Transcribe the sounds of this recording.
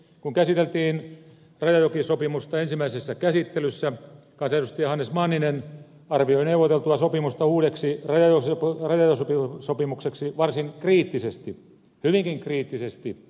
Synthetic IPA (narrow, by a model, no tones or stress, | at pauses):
kuŋkæsit̪elt̪iːn | rɑjɑjokisopimust̪ɑensimːˑæisesːækæsit̪ːelysːæ | kɑnsɑedust̪ijɑhɑnːesmɑnːinen | ɑrʋioineuʋːot̪elt̪uɑsopimust̪ɑuːɾeksirɑjɑjosprɑjɑjosopisopimukseksiʋɑrsiŋkriːt̪ːisest̪i | hyʋiŋkiŋkriːt̪ːisest̪i